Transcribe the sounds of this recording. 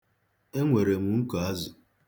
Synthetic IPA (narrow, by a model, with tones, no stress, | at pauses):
e˦ŋʷe˨ɾe˨mu˨ŋ̩˦ka˨a˦zʊ˨